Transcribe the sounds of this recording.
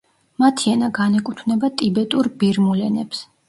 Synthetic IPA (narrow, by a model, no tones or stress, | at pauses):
mat̪ʰiɛnaɡanɛkʼut̪ʰvnɛbat̪ʼibɛt̪ʼuɾbiɾmulɛnɛps